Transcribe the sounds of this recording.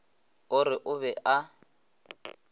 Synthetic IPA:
ʊrɪʔʊβɛʔa

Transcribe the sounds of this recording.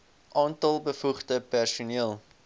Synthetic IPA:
ʔɑːntɐlˠbəfuχdəpærsuniəlˠ

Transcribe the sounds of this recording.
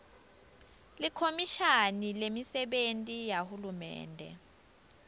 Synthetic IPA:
likʰomiʃanilemisɛɓentʼijahulumɛ̰ːndʱɛ̰

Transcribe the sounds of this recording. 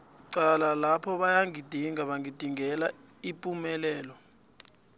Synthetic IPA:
ǀalalapʰɔɓajaŋid̥ʱiŋaɓaŋid̥ʱiŋɛla | ipʼumɛlɛːlɔ

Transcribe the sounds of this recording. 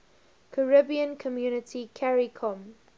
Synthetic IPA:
kʰəɹɪbiə̃nkʰɔmjunɪtʰikʰɛɹikʰɔ̃m

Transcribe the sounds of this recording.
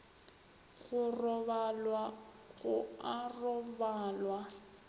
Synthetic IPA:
ɣʊrɔβalwa | ɣʊarɔbaːlwa

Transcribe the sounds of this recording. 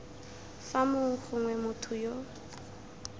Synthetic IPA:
famʊŋ̩χʊŋwɛmʊtʰʊjo

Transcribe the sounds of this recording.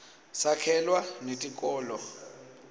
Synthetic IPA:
sakʰɛlwanetʼikʼɔːlɔ

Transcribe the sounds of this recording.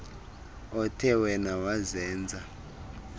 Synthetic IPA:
ɔtʰɛwɛnawazɛːnd͡zʱa

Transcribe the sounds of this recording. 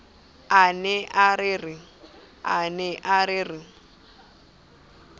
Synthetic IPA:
anɛʔarɪrɪ | anɛʔaɾɪrɪ

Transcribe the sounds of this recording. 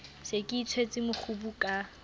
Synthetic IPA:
sekʼɪit͡sʰwet͡sʼɪmʊχubukʼa

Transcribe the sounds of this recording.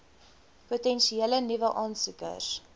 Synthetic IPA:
putɛnʃielənivəʔɑːnsukə̰s

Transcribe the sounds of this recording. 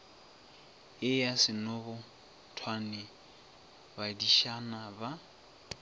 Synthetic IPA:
ɪjasɪnɔbʊ | tʰwanɪ | badiʃanaba

